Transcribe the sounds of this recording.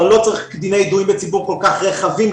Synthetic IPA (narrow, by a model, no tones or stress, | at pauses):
lot͡sʁiχkd̪inejd̪uimbət͡sibuʁkolkaχʁeχavim